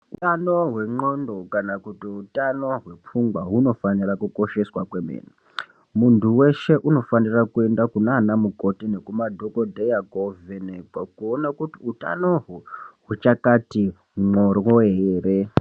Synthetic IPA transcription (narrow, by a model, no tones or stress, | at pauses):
utanoɦwe̞ŋ͡ǃondo̞kanakutiutano̞ɦwe̞p͡fuŋɡwaɦuno̞fanirakuko̞ʃe̞swakwemḛːna | muntuwe̞ʃe̞ʔuno̞fanirakue̞ndakunaːnamuko̞tine̞kumadʱokodʱejaɡovenekakuonakutiuta̰no̞ɦuɦut͡ʃakati | ŋ͡ǃorwoɦeːre